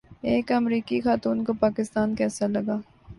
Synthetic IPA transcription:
eːkɐmɾiːkixaːt̪uːnkopaːkɪst̪aːnkɛːsalɐɡaː

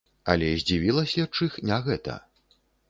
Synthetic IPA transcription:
ɐ̰lʲɛzʲd͡zʲivʲilˠɐsʲɐt͡ʂɨxnʲaɣɛt̪ɐ̰

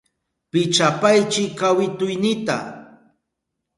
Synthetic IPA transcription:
pɪt͡ʃapajt͡ʃɪkawɪt̪ʊjnɪt̪a̰

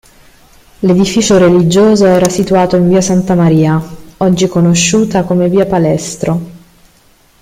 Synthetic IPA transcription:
led̪ifiːt͡ʃoɾelid͡ʒoːzoɛːɾasit̪uaːt̪oiɱviːasant̪amaɾiːaɔd͡ʒːikonoʃːuːt̪akomeviːapalɛst̪ɾo

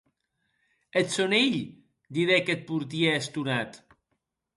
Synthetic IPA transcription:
et̪soneʎ | d̪iðeket̪̚puɾt̪̬ieːst̪unat̪

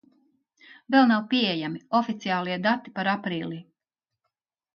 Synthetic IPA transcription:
vɛlˠnawpiejamiɔfit̪sijaːlˠiɛd̪at̪ːi̥paɾapɾiːlˠiː

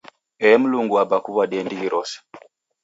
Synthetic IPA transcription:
ɛmuluŋɡuabakuβadɛndiɡiɾʔɔsɛ̥

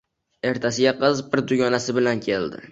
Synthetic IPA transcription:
e̞ɾt̪ʰasɪɡʲaqɨzbɪɾd̪ʊɡʲɒnasɪbɪlankʲʰe̞ld̪ɪ̰

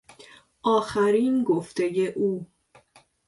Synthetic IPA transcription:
ʔɒːxæɾiːnɡoft̪e̞je̞ʔuː

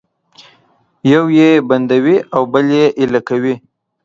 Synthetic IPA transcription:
jawjeband̪awiawbəljeʔɪlakawi

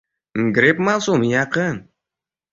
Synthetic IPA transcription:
ɡɾepmalˠsumjɑqən

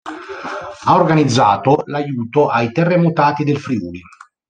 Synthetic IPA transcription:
aorɡanid̪zːaːt̪olajuːt̪oʔajt̪erːemot̪aːt̪id̪elfɾiuːli

